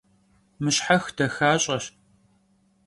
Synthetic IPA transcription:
mɨɕħaxd̥ɐxaːɕʼɐʃ

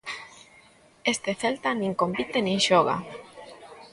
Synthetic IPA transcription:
est̪eθelt̪anĩŋkompit̪enĩŋʃoɣa̰

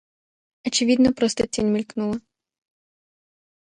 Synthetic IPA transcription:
ɔt͡ʃɪʋʲid̪nɔpɾɔst̪ɛt͡sʲinʲmʲilʲknulˠɐ

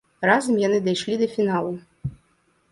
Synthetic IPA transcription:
razɐmjanɨd̪ɐjʂlʲid̪ɐfʲinalˠu

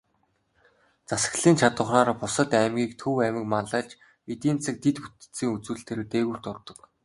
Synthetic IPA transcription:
t͡sasə̥̆kɮiːnt͡ɕʰat̪ə̆χaːɾpʊsə̆t̪æmɡʲiːk̚t̪ʰɵwæmɪ̆kmanɮaːt͡ɕ | et̪iːnt͡sʰɘ̆k̚t̪et̪put̪ɘ̥̆t͡siːŋut͡suːɬt̪ʰeːɾĕt̪eːɣŭːr̥t̪ʊrt̪ɞ̆k

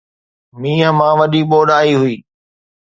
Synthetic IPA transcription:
miːɦəmãːʋɐɗiɓoːɗaːiɦʊiː

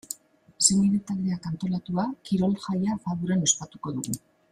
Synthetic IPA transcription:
semiɾet̪ald̪e̞akant̪o̞lat̪uakiɾolʝajafaðuɾane̞spat̪uko̞ðuɣu

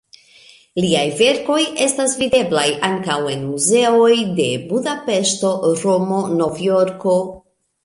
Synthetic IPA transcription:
liajve̞ɾko̞je̞stasvide̞blajaŋkawe̞nmuze̞o̞jde̞budape̞ʃto̞ɾo̞mo̞no̞vjo̞ɾko̞

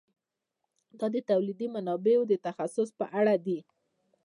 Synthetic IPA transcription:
d̪ɑd̪ət̪awlid̪imanɑbeod̪ət̪axasʊspəʔaɽad̪i

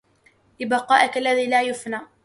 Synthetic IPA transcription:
ʔɪbɑqɑːʔakalːaðiːlaːjʊfnaː

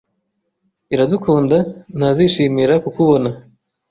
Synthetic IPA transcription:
iɾadukʰuːndan̥haziʃiːmiɾakukuβo̞na

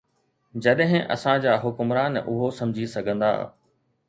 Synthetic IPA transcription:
d͡ʑɐɗɦɪ̃ʔɐ̰sãd͡ʑaːɦʊkʊmɾaːnʔʊɦosɐ̃md͡ʑʱisɐɡʱə̃nd̪a̰ː

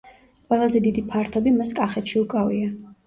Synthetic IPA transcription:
qʼwɛlˠazɛd̪id̪ipʰaɾt̪ʰɔbimaskʼaχɛt̪ʃiukʼavia

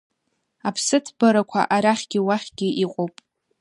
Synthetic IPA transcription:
apʰsɨtʰbaɾakʷʰa̰ʔaɾaχʲɡʲɪwaχʲɡ̥ʲɪʔiqʷʼowpʼ

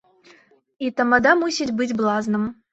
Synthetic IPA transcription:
it̪ɐmɐd̪amusʲitʲbɨtʲblˠɑznɨm

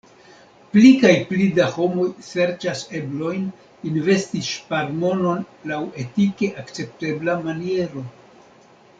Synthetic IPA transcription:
plikajplidaho̞mo̞jse̞ɾt͡ʃase̞blo̞jn | inve̞stiʃpaɾmo̞no̞nlawe̞tike̞ʔakt͡se̞p̚te̞blamanie̞ɾo̞

